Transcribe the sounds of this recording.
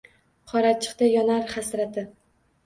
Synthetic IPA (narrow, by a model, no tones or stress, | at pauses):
qʰɒɾat͡ʃʰɨ̥qt̪ajɒnaɾχasɾat̪ʰɪ